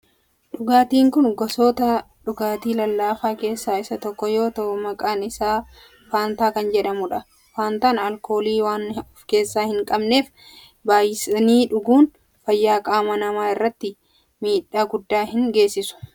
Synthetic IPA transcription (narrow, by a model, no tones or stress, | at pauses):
ᶑʊɡaːt̪iːŋkʊnɡɔsoːt̪ɐ | ᶑʊɡaːt̪iːlɐlːaːfaːke̞ːsːaːɪsɐt̪ɔkːɔjo̞ːt̪ɐʔʊmɐkʼaːnɪsaː | faːnt̪aːkɐnd͡ʒɛᶑɐmʊᶑɐ | faːnt̪aːnɐlko̞ːliːwaːnʊfke̞ːsːaːhɪŋkʼɐbne̞ːf | baːjɪsniːᶑʊɡuːn | fɐjːaːkʼaːmɐnɐmaːɪrːɐt̪ːɪ | miːᶑaːɡʊd̪ːaːhɪŋɡe̞ːsːɪsʊ̥